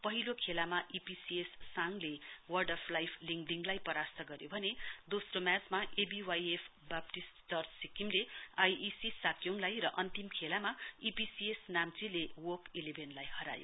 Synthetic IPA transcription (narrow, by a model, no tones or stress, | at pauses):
pʌɦilokʰelamaʔipisiesːaŋlewʌrɖʌpʰlajpʰliŋɡɖiŋɡlajpʌɾast̪ʰʌɡʌɾjobʱʌned̪osromjat͡smaʔebiwajepʰ | bap̚ʈist͡sʌrsikimleajisisakjoŋlajrʌʔʌnt̪imkʰelamaipisiesnamt͡silewokelebʱenlajhʌɾa̰jo̰